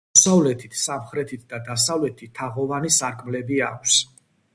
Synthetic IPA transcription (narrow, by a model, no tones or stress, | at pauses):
savlɛt̪ʰit̪ʰsamχɾɛt̪ʰit̪ʰd̪ad̪asavlɛt̪ʰit̪ʰːaʁɔvanisaɾkʼʰmlɛbiakʷʰs